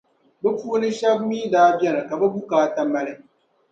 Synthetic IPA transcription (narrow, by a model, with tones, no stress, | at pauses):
bɛ˦puː˦nɨ˦ʃa˦bmiː˦daː˦bjɛ˦nɨ˨ka˨bɛ˦bu˦kaː˦ta˦ma˦lɨ˦